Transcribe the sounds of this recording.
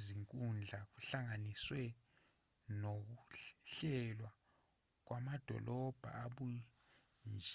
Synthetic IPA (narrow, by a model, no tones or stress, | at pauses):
ziŋkʼund͡ɮʱak̬uɬaŋaniswɛ | nok̬uɬɛlwa | k̬wʔamad̥ʱɔ̰lɔb̥ʱa̰aɓu | nd͡ʒʱ